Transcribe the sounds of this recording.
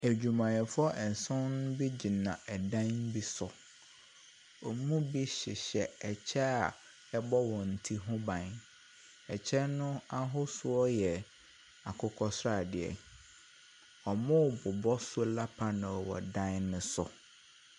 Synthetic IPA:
æ˨d͡ʑᶣu˨mã˨jɛ˨fʊ˦ɔ˦ʔɛ˨n˨sʊ̃˦n˦bi˦d͡ʑi˨nã˨ɛ˨dã˦n˦bi˦sʊ˨ | ɔ˨mũ˦bi˦ɕɪ˨ɕɛ˨ɛ˨t͡ɕʰɛ˦a˨ | ɛ˦bɔ˦wɔ̃˨n̩˨tʰi˦ɦʊ̃˦bã˨n | ɛ˨t͡ɕʰɛ˦nʊ̃˦a˦ɦʊ˦sʊ˦ɔ˦jɛ˨ | a˨kʰʊ˦kʰɔ˦sʊ˦ɾa˨dɪ˨ɛ̰˨ | ɔ˨mʊ̃˦˨bʊ˨bɔ˦sʊ˦o˦la˦pʰa˦nã˨wɔ̰˨dã˦nnʊ̃˨sʊ˨

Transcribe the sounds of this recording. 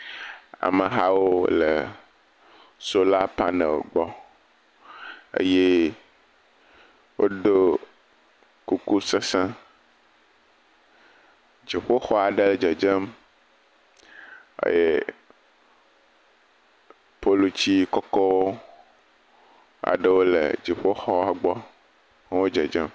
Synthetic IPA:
a̰˨mə˨ɦa˦wo˦lə̰˨ | so˦la˦pa˦nə̰̃˨lɡ͡bɔ˦ | ḛ˦je˦ | wo˦ɖo˦ | ku˦ku˦sə˦sã˦ | d͡ʒi˨ɸo˦xɔ˦a˨ɖe˦ld͡ʒɛ˨d͡ʒe˦m | ḛ˦je˦ | po˦lo˨t͡ɕi˦kɔ˦kɔ˦wo˦ | a̰˨ɖe˦wo˦lḛ˨d͡ʒi˨ɸo˦xɔ˦a˦ɡ͡bɔ˦ | ŋ˦wo˦d͡ʒɛ˨d͡ʒɛ˦m

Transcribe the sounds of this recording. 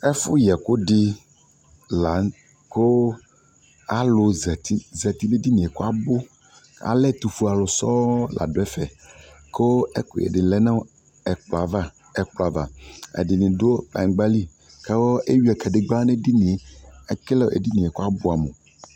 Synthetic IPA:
ɛ˦fʊ˦jɛ˨ko˦ɖɪ˦ | la˨˦ŋ | ko˦ | a˨lʊ˨zɛ˨t̪i˦zɛ˨t̪i˦le˦di˦nĩ˨ɛ˨ko˦a˦bʊ˦ | a̰˨lɛ˦t̪u˨fu˦a˨lʊ˨sɔ˦la̰˨do˨ɛ˦fɛ˨ | ko˦ɛ˦kʊ̰˨jɛ̰˨dɪ˨lɛ˦nã˦ | ɛ˨k͡pla˨va˦ | ɛ˨k͡pla˨va˨ɛ̰˨dɪ˨nĩ˨do˦o˦k͡pa̰˨˦ɡ͡ba˦li˦ | kɛ˦wo˦e˦ɥi˦ɛ˨kɛ˨dɪ˨ɡ͡ba˦nɛ˦di˦nĩ˨e˨a˨klɛ˦˨ḛ˨di˦nĩ˨ɛ˨ko˦a˦bʊ˦a˨mo̰˨

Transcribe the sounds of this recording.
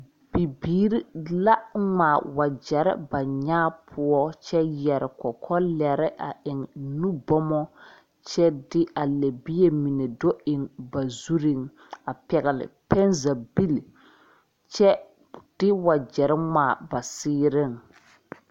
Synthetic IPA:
b̥i˨biː˦ɾi˦la˦ŋ͡maː˨wa˨d͡ʒɛ˨ɾɪ̰˦ba˨ɲaː˦pʰʊ˦ɔ˦t͡ʃɛ˦jɛ˨ɾɪ˨kɔ˨kʰɔ˦lɛ˨ɾɪ˦ʔa˨ʔɪ˨ŋnũ˦bɔ˦mɔ˦ | t͡ʃɛ˦dɪ˦a˨le˨bi˦e˦mi˨ne˨do˦ɪ˨ŋba˨zu˦ɾi˦˨ŋ | a˨pɛ˨ɣɪ˨lɪ̰˨pɛ˦nza˨bi˦l | t͡ʃɛ˦ | d̥ɪ˦wa˨d͡ʒɛ˨ɾɪ˦ŋ͡maː˨ba˨sɪː˦ɾɪ˦˨ŋ

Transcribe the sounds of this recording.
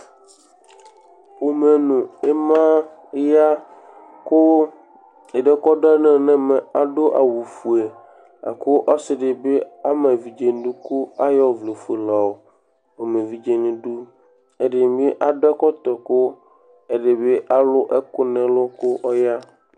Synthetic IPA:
wo˨mẽ˨nũ˨e˦mã˦ | ja˦ | ko˦ | e˨ɖe˦kɔ˦ɖa˦nɛ̃˦˨nɛ̃˦mẽ˨a˨ɖo˦ʔa̰˨wu˨fu˨e˨ | a̰˨ko˦ʔa˦sɪ˦ɖe˨be˦a˦mẽ˨vi˨d͡ʒe˦n˦ɖu˦ku˦a˦jɔ˦˨vle˨fe˨la˨o˨ | o˨mẽ˨vi˦d͡ʒe˦nẽ˨ɖu˦ | e˦ɖe˨be˦ʔa˨ɖɛ˦kɔ˦t̪ɔ˨ko˦ | e˦ɖe˨be˦ʔa˦lʊ˦ʔɛ˦kʊ˦nɛ̃˨lɔ˦ko˦ʔɔ˦ja˦

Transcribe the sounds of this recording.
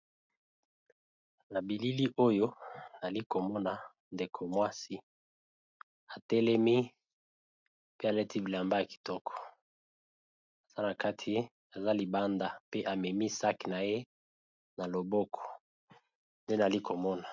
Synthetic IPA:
na˨bi˨li˦li˦ʔo˦jo˦na˨li˦ko˨mɔ˦na˨ | nde˨kʰo˨mwa˦si˦ | a˨tɛ˦lɛ˦mi˦ | pe˦a˨lɛ˦tʰi˦bi˨la˨mba˦ja˨ki̥˨tɔ˦kʰɔ̥˨ | a˨za˦na˨ka˦tʰi˦ | a˨za˦li˨ba˦nda˨pe˦ʔa˨mɛ˨mi˦sa˦ki˨na˨je˦ | na˨lo˨bɔ˦kʰɔ̥˨ | nde˦n˨a˨li˦ko˨mɔ˦na˨

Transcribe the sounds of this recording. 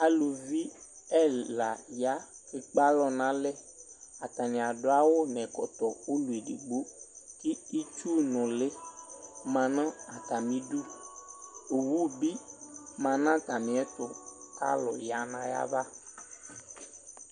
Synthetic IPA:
a˨lu˨vi˦ɛ˦la˨ja˦fe˨k͡pa˦lɔ˨nã˨˦lɛ˦a˨t̪a˨nĩ˨a˨ɖo˦a˦wo˦nɛ̃˨kɔ̰˨t̪ɔ˨wo˦lu˨e˨ɖḭ˨ɡ͡bo˦ki˦i˦t͡ʃu˦nɔ̃˨le˦ | mã˨nã˦a˨t̪a˨mĩ˦ɖu˦ | o˨wu˦bi˦mã˨nã˦t̪a˨mĩ˨ɛ˦t̪ʊ˨ka̰˦lɔ̰˨ja˨nã˦ja̰˦va˦

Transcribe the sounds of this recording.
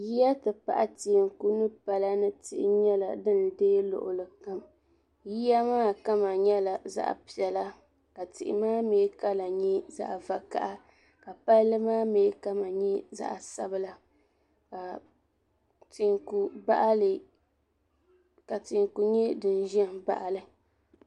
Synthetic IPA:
ji˦ja˦tɨ˨pa̰˨ʔa˦ti˨ŋku˦nɨ˦pa˨la˦nɨ˦tɪ˦˨ʔɪ̰˦ɲɛ˦la̰˨dɨ˦n˨deː˦lʊ̰˨ʔʊ̰˨lɨ˨ka˦m | ji˦ja˦maː˦ka˦ma˨ɲɛ˦la˨za̰˦ʔpi˨ɛ˨la˦ | ka˨tɪ̰˨ʔɪ̰˨maː˦meː˦ka˦la˨ɲɛ˦za̰˦ʔva˨ka̰˨ʔa˦ | ka˨pa˦llɨ˦maː˦meː˨˦ka˦ma˨ɲɛ˦za̰˦ʔa˨sa˦bɨ˦la˨ | ka˨ | tɪ˨ŋku˨ba̰˦ʔlɨ˨ | ka˨tɪ˨ŋku˨ɲɛ˦dɨ˨n˨˦ʒɛ˦n˨ba̰˨ʔa˨lɨ˨

